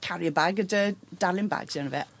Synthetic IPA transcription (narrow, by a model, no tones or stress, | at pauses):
kʰaɾjəbaɡədədalˠɪnba̰ːɡ̥sianəvɛ̰